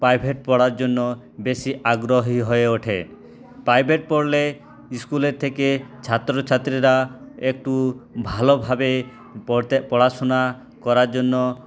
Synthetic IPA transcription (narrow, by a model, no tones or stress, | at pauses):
pɾajbʱeʈ̚pɔɽaɾd͡ʒonːɔ | besiʔaɡɾoɦiɦɔeoʈʰḛ | pɾajbʱeʈ̚pɔɽle | iskuleɾt̪ʰeket͡ʃʰat̪ɾot͡ʃʰat̪ːɾiɾaek̚ʈubʱalɔbʱabe | pɔɽasɔna | kɔɾaɾd͡ʒonːɔ